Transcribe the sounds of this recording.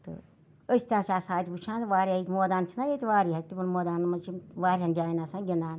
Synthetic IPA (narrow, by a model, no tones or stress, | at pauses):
t̪ɨ̰ | əst̪ʲaːt͡ʃaːsãːt̪ʰʲiput͡ʃʰãːnʋaːɾʲaik̪ʲmoːd̪aːnt͡ʃʰinajet̪iʋaːɾiːɦɐt̪ipɐnmoːd̪aːnmɐnt͡ʃʰiʋaːɾiand͡ʒaːinasãːɡʲinaːn